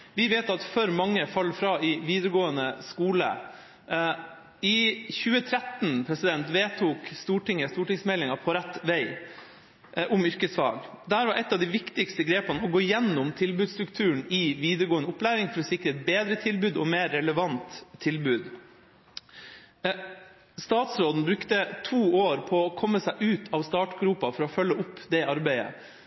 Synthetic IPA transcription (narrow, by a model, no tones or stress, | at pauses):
ʋɪʋeːt̪ɑt̪fœɾmɑŋːəfɑlːfɾɑːɪʋiːd̪əɾəɡoːənəskuːlə̰ | ɪçʉːət̪ʰɾæt̪n̩pʰɾɛsɪd̪ɛnt̪ʋeːt̪ʰuːkst̪uːʈɪŋːəst̪uːʈɪŋsmɛlɪŋɑpʰɔɾɛt̪ːʋæɪ | ʔʊmʏɾkəsfɑ̰ːɡd̪æːɾʋɑɾʔɛt̪ːɑʋd̪ɪʋɪkt̪ɪkst̪əɡɾeːpɑnəɔɡoːɪjɛnːʊmt̪ʰɪlbʉːd̪st̪ɾʉkt̪ʰʉːɳɪʋiːd̪əɾɡoːənəʊplæːɾɪŋfɔɾɔsɪkɾəɛt̪̚beːd̪ɾət̪ʰɪlbʉːd̪ɔmeːɾːɛləʋɑnt̪ʰːɪlbʉːd̪ | st̪ɑːt̪sɾoːd̪n̩bɾʉkt̪ət̪ʰuːoːɾpʰɔkʰɔmːəsæɪʔʉːt̪ʰɑʋst̪ɑːʈɡɾuːpɑfɔɾɔfœlːəʔʊpːd̪ɛɑɾbæɪə̰